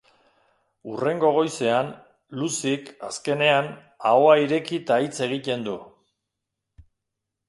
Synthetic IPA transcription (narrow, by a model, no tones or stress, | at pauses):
ure̞ŋɡo̞ɣ̞o̞jse̞an | lusika̰ske̞ne̞an | aoaiɾe̞kit̪ait͡se̞ɣ̞it̪e̞nd̪u